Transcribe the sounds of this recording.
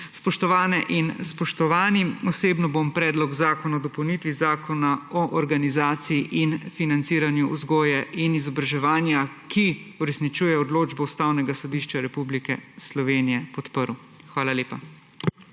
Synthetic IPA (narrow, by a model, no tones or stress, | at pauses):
spɔʃt̪ɔʋaːnɛʔinspɔʃt̪ɔʋaːniɔseːbnɔbompɾɛːd̪lɔɡzaːkɔnad̪ɔpɔwnit̪ʋizaːkʰɔnaɔʔɔɾɡanizaːt̪sijiʔinfinant̪siːɾanjuʔuzɡɔːjɛʔinizɔbɾaʒɛʋaːnjakʰiuɾɛsnit͡ʃuːjɛɔd̪loːd͡ʒbɔust̪aːwnɛɡasɔd̪iʃt͡ʃaɾɛpublikɛslɔʋenijɛpɔt̪pəɾw | xʋaːlaleːpa̰